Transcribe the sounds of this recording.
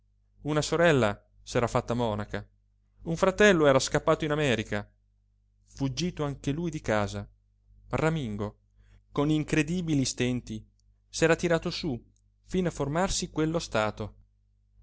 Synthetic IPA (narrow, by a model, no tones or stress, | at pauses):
unasoɾɛlːa | sɛːɾafat̪ːamɔnaka | uɱfɾat̪ɛlːoɛːɾaskapːaːt̪oinamɛːɾika | fud͡ʒːiːt̪oaŋkelujd̪ikaːza | ramiŋɡo | koniŋkɾed̪iːbilist̪ɛnt̪i | sɛːɾat̪iɾaːt̪osu | finaformarsikwelːost̪aːt̪o